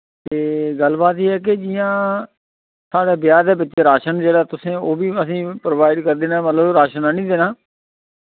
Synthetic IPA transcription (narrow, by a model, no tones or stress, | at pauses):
t̪eːɡəlbaːt̪eːɦɛːk̬ed͡ʒɪːjãː | saːɽeːbɪjaːd̪eːbɪtːʃeːɾaːʃənd͡ʒeːɽaːt̪ʊsẽːoːbiːəsĩːpɾoʋaːɪɖkəɾd̪eːnãːmət̪ləbɾaːʃənaːnĩːd̪eːnaː